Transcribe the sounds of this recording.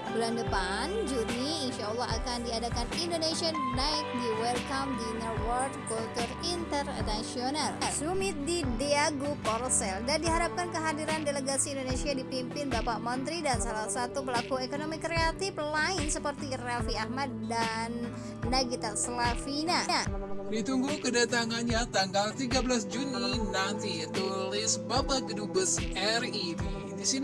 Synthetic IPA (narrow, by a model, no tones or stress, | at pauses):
bulandəpa | nd͡ʒuniːnʃaɔlːɑɦa̰kandiadakanindonesiannaɪk̚diwɛlkamdinəwɔrdkult̪urint̪ərnasionalsumɪt̪̚dideaɡopɔɾsɛldandiɦaɾap̚kankəɦadiɾandeləɡasiːndonesiadipimpɪnbapaʔmɔnt̪ɾidansalahsat̪upəlakuekonomikɾeat̪ɪflaɪnsəpərt̪irafiahmad̪̚danː | aɡit̪aʔsəlafinaadit̪uŋɡukədat̪aŋanɲat̪aŋɡalt̪iɡabəlasd͡ʒuninant̪it̪ulɪsbabakədubəsɛridi | disin